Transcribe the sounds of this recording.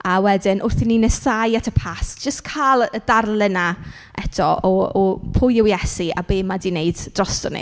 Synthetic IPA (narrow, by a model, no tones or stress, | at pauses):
awɛdɪnʔʊrθininɛsajatʰəpʰasʒ̥əstkʰaːlˠədarlˠəna | ʔɛtʰɔʔɔɔpʰʊjɪwjɛsia̰beːmadineɨd̥d̥rɔstɔnḭ